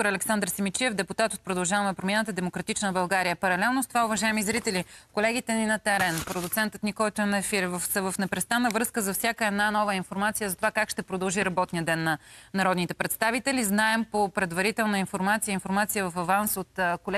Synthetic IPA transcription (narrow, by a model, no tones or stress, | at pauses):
t̪oɾɐlɛksand̪ɾsimit͡ʃiɛvd̪ɛput̪at̪ot̪̚pɾod̪ɐlˠʒavɐmɛpɾomʲjanət̪əd̪ɛmokɾɐt̪it͡ʃnəbɐlˠɡaɾijəpɐɾɐlɛlˠnost̪ovaʊvɐʒaɛmizɾit̪ɛlikolɛɡ̟it̪ɛninɐt̪ɛɾɛnpɾod̪ʊt̪sɛnt̪ət̪nikɔlˠt̪onɐɛfiɾvəfsəvəfnɛpɾɛst̪anːəvɾɤskəzɐfsʲjakəɛd̪nanɔvəinfoɾmat̪sijəzɐt̪ovakakʃt̪ɛpɾod̪ɐlˠʒiɾɐbɔt̪nijəd̪ɛnːɐnɐɾɔd̪nit̪ɛpɾɛt̪st̪avit̪ɛliznaɛmpopɾɛd̪vɐɾit̪ɛlˠnəinfoɾmat̪sijəinfoɾmat̪sijəvɐfɐvansot̪kolɛ